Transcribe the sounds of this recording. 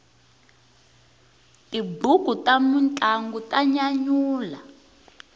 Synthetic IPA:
tibuɡ̥ʱutamunt͡ɬʼaŋɡutaɲaɲuːla

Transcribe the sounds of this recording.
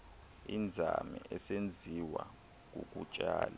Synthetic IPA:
ind͡zʱamɛʔɛsend͡zʱiwa | k̬ʼuk̬ʼut͡ʃʼaːla

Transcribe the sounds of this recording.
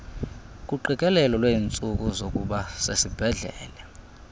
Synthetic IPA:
kʼuǃikʼɛlɛlɔlweint͡sʼuk̬ʼuzokʼuɓasesib̥ʱɛɮɛ̰ːlɛ

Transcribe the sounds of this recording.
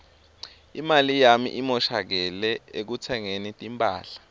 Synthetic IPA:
imalijamḭʔimɔʃak̬ɛlɛek̬utʰɛŋenitʼimpʼaːɬḁ

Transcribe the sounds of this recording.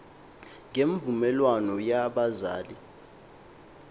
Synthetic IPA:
ŋɡeɱvumɛlwanɔjaɓazaːli

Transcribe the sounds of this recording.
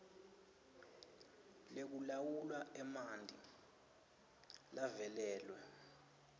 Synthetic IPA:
lek̬ulawulwaɛmandʱi | lavɛlɛːlwɛ

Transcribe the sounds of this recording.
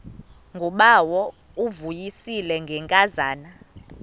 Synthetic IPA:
ŋɡʱɔɓawɔ | uvujisilɛŋɡʱɛŋkʼazaːna

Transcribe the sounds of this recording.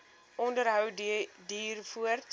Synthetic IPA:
ʔɔndəɾɦœwdiːrfuərt

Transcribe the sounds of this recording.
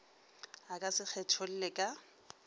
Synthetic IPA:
akʼasɪk͡xʰɛt͡ʃʰɔl̩lɪkʼa

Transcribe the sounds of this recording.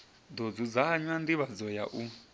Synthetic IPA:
d̪ɔd͡zud͡zaɲwand̪iβad͡zɔja̰ʔu

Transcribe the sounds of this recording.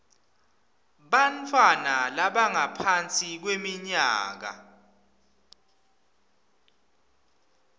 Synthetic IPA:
ɓantʰwanalaɓaŋapʰant͡sʼik̬wemiɲaːk̬a̰

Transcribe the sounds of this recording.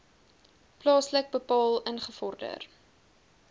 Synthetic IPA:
plɑːslək̚bəpɑːlˠənχəfɔrdə̰r

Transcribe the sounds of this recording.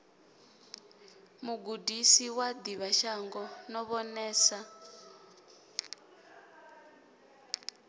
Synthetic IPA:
muɡudisiwad̪iβaʃaŋɡɔnɔβɔnɛːsa

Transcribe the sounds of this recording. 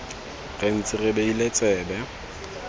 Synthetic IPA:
ɣen̩t͡sʼɪrɪbeilet͡sʼɛːbɛ

